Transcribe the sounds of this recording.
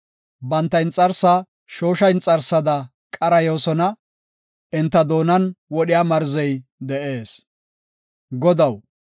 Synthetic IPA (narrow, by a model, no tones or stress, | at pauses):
bɐnt̪ːɐjnt͡sʼɐɾsa | ʃo̞ːʃɐjnt͡sʼɐɾsːɐd̪ɐ | kʼɐɾɐjo̞ːsɔnɐ | ʔɪnt̪ːɐd̪o̞ːnɐnwɔɗɪjaːmɐɾzɛjd̪ɛʔe̞ːs | ɡɔd̪ɐw